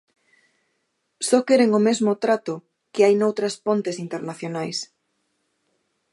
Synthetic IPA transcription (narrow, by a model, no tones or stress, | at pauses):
sɔkeɾeŋomezmʊt̪ɾat̪ʊ | kɪajnowt̪ɾɐspont̪esint̪eɾnaθjonajs